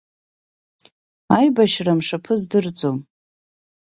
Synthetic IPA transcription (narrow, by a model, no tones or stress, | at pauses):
ajbaʃramʂapʰɨzdɨrd͡zom